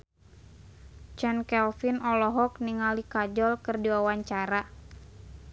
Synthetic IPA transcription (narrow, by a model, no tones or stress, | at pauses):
t͡ʃɛnkɛlfinɔlɔɦɔkniŋalikad͡ʒɔlkɨrdiwawaɲt͡ʃaɾa